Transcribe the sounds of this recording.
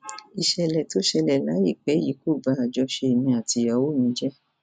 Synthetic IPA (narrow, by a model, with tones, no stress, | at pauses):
i˨ʃɛ˧lɛ˨to˨˦ʃɛ˧lɛ˨la˨˦jḭ˦˨k͡pe˨˦ji˨˦ko˦˨ba˨˧˦a˨d͡ʒɔ˧˦ʃe˧˨nĩ˧˦a˨ti˧a˧wo˦˨nĩ˨˦d͡ʒɛ˦